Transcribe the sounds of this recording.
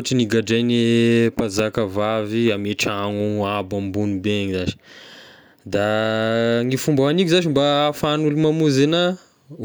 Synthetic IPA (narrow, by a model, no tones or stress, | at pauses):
ʈ͡ʂiniɡaɖ͡ʐajnepazakəvaviameʈ͡ʂaŋuabambunibeeɲizaʃi̥ | d̪a | ŋifumbawanik̬ʲuzaʃimbafanulumamuzena